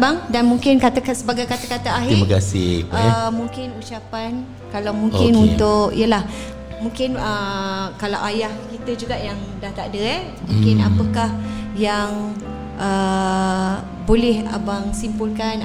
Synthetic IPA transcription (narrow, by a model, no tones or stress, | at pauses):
baŋdanmũŋkɪnkat̪akasəbaɡajkat̪akat̪aaɦiimakasḭ | muŋkɪnut͡ʃapan | kalawmũŋkɪnunt̪ʊkḭjəlah | mũŋkɪnəkalawʔajahkit̪əd͡ʒuɡaʔjaŋdaht̪adəɛ | muŋkɪnapəkahjaŋ | ʔə | bolɛha̰baŋsimpulkan